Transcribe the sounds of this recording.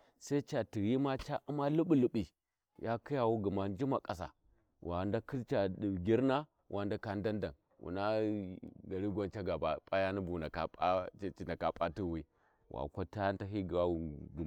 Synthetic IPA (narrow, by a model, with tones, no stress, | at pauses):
sa˦i˦t͡ʃa˨ti˨ji˦ma˦t͡ʃa˦ʔu˦ma˦lu˦bu˦˨lu˨ɓi˨ | ja˦ki˦ja˨wu˦ɡu˨ma˨n˦d͡ʒi˦ma˨kʼa˨s̬a̰˨ | wʔa˨nda˦ki˦t͡ʃa˨dɡʲi˦ɾna˦ | wʔa˨nda˦ka˨nda˦nda˨n | wṵ˨na˦ | ɡa˨ɾi˦ɡʷo˦nt͡ʃa˦ɡa˨ba˨pʼa˦ja˦ni˦bu˨na˨ka˨a˦t͡ʃi˨na˨ka˨pʼa˦ti˦wi˦ | wʔa̰˨kʷa˦ta˦a˦nta˦ɦi˦ɡa˦u˨ɡ